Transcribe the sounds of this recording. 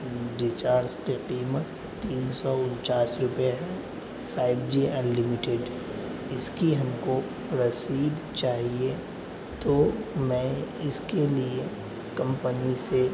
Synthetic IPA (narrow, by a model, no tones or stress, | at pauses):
ɖɪt͡ʃaːɾskiqiːmət̪ːiːnsɔʊnt͡ʃaːsɾʊpjeɦɛ | fʰaːɪbd͡ʒiɐnlɪmɪʈeɖɦ | ɪskiɦɐmko | ɾɐsiːd̪t͡ʃaːɦie | t̪omɛ̃ɪskelie | kɐ̃mpənise